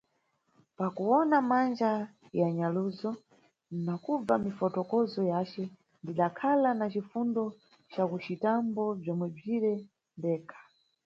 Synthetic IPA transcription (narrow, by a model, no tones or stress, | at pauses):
pakuɔnamand͡ʒa | jaɲaluzɔ | nakub͡vamifɔtɔkɔzɔjat͡ʃɛ | ndiɗakʰalanat͡ʃifundɔ | t͡ʃakut͡ʃitambɔb͡ʐɔmwɛb͡ʐiɾɛ | ndɛːkʰḁ